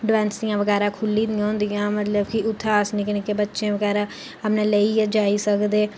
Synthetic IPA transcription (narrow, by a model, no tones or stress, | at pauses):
ɖʋɛ̃ːnsd̪ɪjãːʋəɡɛːɾãːkʰʊlːiːd̪ɪjãːɦʊ̃nd̪ɪjãːmət̪ləbkɪʊt̪ʰːaːsnĩːkəneːkebətːʃẽːʋəɡɛːɾãː | əpnẽːleiːd͡ʒaːiːsəkd̪eː